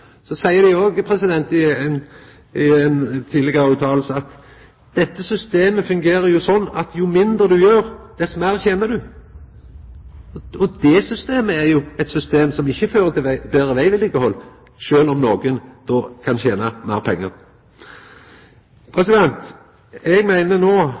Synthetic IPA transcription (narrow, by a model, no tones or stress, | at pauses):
sɔsæɪəd̪æoːɡpʰɾɛsɪd̪ɛnt̪ɪn | ɪɛnt̪ʰiːd̪lɪɡəʉːt̪ʰɑːl̩səɑt̪ | d̪̥ɛt̪ːəsʏst̪eːməfʉŋɡeːɾəɾjʊsɔnːɑt̪jʊmɪnd̪ʁəd̪ʉjøːɾd̪̥ɛsmæɾçeːnəd̪ʉ | ɔd̪ɛsʏst̪eːməɛɾjʊɛt̪sʏst̪eːmsɔmɪçːəføːɾət̪ɪʋbeːɾəʋæɪʋɪlɪɡəhɔlː | ʃøːlɔmnoːɡənd̪̥oːkʰɑnçeːnɑmæːʁpʰɛŋːəʁ | pʰɾɛsɪd̪ɛnt̪ | ɛɡmæɪnənoː